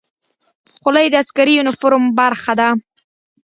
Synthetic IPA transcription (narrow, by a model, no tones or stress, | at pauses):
χʊlajd̪əaskaɾijonafʊɾmbaɾχad̪a